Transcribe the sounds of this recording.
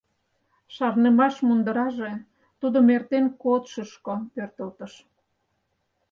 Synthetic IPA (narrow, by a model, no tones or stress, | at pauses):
ʃɑrnemɑʃmund̪əɾɑʒe | t̪ud̪omert̪enkot̪ʃəʃkopørt̪əlt̪ə̆ʃ